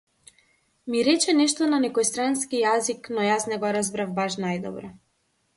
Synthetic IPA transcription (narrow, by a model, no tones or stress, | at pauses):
miɾɛt͡ʃɛnɛʃt̪ɔnanɛkɔjst̪ɾanskijaziknɔjasnɛɡɔɾazbɾavbaʃnajd̪ɔ̰bɾɔ